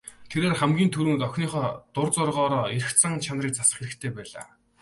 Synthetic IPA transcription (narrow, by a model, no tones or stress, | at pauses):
t̪ʰeɾeːrχæmɡʲiːnt̪ʰɵɾɘ̆ŋt̪œxʲniːχɔːt̪ʊrt͡sʊrʁɔːɾɔːiɾ̆xt͡sʰə̆ŋt͡ɕʰanriːk̚t͡sasə̥̆χxeɾɘ̆kt̪ʰeːpæːɮa̰ː